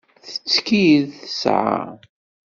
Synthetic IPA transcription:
θə̥t͡sːkiðθə̥sʕa̰

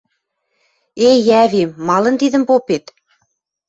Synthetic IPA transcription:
ejæβimːɑlɤ̆nt̪iðə̆mpopet̪

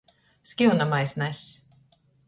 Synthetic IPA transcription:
skiwnamajθnajs

